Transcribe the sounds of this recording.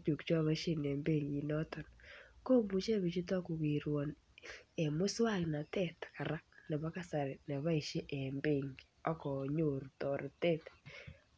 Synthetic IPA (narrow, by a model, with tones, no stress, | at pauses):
t͡ʃu˨kt͡ʃwa˦βa˦ʃe˦nɛ˨mbe˦˨ŋi˨nɔ˦tɔ˨nko˦mbu˨t͡ʃe˦bi˨t͡ʃi˦tɔ˦kʊ˨ki˨ɾwɔ˨n | e˨mʊ˦swa˦˨kna˨tɛ˦˨t̪ka˨ɾa˦k̚nɛ˨ba˦ka˦sa˨ɾe˨nɛ˨βa˦i˨ʃe˦ʔe˨mbe˦˨ŋ | ɔ˦kɔ˨ɲo˨ɾtɔ˨ɾtɛ˦t